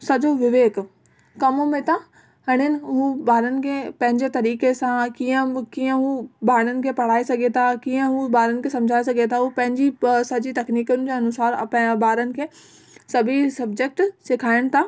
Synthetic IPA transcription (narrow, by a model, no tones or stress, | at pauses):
sɐd͡ʑoʋɪʋeːk | kɐmʊmẽt̪ʰa | hɐɽ̃ɪnɪ̆ɦũːbaːɾənɪ̆kʰepɐ̃ɦɪ̃ɲd͡ʑet̪ɐɾiːkesãkiːə̃kiːə̃ɦubaːɽənɪ̆kʰepɐɽ̤aːesɐɡʱet̪ʰakiːə̃ɦubaːɾənɪ̆kʰesɐ̃md͡ʑʱaːesɐɡʱet̪ʰaɦupɐ̃ɦɪ̃ɲd͡ʑisɐd͡ʑit̪ɐkniːkʊnɪd͡ʑoːɐnʊsaːɾ̰pbaːɾənɪ̆kʰeː | sɐbʱisɐbd͡ʑek̚ʈseːkʰaːɪɽ̃t̪ʰaː